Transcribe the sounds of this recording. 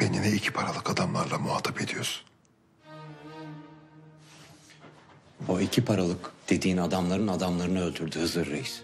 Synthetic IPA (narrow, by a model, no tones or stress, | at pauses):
b̥eninɛilʲcʰi̥pʰaɾalˠɯkad̪amlˠaɾlˠamuaːt̪ʰaped̪ijoɾ̥ | oicʰipʰaɾalˠɯkd̪̥e̞d̪iːnad̪amlˠaɾɯnad̪amlˠaɾɯnɯø̞lʲd̪yɾd̪yːhɯzɯɾːejs